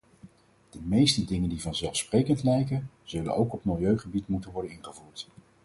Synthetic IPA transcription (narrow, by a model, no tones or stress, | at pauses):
d̥əmejstədɪŋəndivɑnzɛlˠfsprejkəntlɛjkən | z̥ɵlə̰nowkɔpmɪlˠjøɥχəbitmutənʋɔɹdənɪnχəvuːɹt